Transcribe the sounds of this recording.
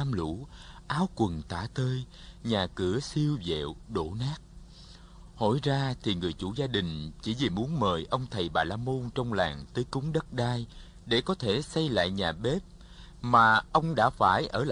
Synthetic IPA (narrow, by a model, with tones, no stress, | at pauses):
a˧mlṵ˧˥ʔaː˨˦wkwə˨˩nt̪aː˧˩t̪əː˧j | ɲaː˨˩kɨ˧˩əsi˧əwzḛ˧˨wɗo˧˩naː˦˥k̚ | ho̰˧˩jzaː˧t̪ʰi˨˩ŋɨ˨˩əjt͡ɕṵ˧˩zaː˧ɗï˨˩ŋ̟t͡ɕḭ˧˩˥vi˨˩mu˨˦ənməː˨˩jʔə˧wŋ͡mt̪ʰə˨˩jɓaː˨˩laː˧mo˧nt͡ɕɔ˧wŋ͡mlaː˨˩ŋt̪əː˨˦jkʊ˨˦ŋ͡mɗə˦˥t̚ɗaː˧j | ɗe˧˩kɔ˨˦t̪ʰe˧˩sa˧jla̰ː˧˨jɲaː˨˩ɓe˦˥p̚ | maː˨˩ʔə˧wŋ͡mɗa̰ː˧˥faː˧˩jʔəː˧˩l